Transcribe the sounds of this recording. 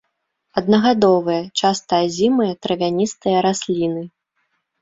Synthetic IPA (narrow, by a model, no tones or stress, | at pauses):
ɐd̪̚nɐɣad̪ɔvɨjɐt͡ʂast̪ɐjɐzʲimɨjɐt̪ɾɐvʲanʲist̪ɨjɐɾasʲlʲinɨ